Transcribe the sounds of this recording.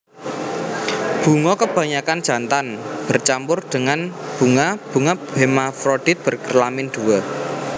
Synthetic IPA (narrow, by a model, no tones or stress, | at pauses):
b̥ṳŋɔkəb̥ä̤ɲakand̥ʒ̥a̤nt̪anb̥ərt͡ʃampʊrɖ̪̥əŋanb̥uŋab̥ṳŋabemafɾoɖ̥it̪̚b̥ə̤rkərlamɪnɖ̪̥uwɔ